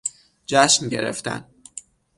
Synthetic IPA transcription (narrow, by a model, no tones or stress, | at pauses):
d͡ʒæʃnɟe̞̰ɾḛft̪ʰæ̰n